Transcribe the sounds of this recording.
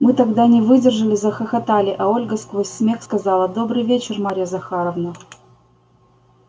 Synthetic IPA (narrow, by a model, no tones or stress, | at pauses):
mɨt̪ɐɡd̪anʲɪvɨdʲɪrʐɨlʲɪzəxəxɐt̪alʲɪʔɐo̞lʲɡəskvosʲsmʲexskɐzɑlˠəd̪o̞bɾɨjvʲet͡ɕɪrmaɾʲɪjəzɐxaɾəvnə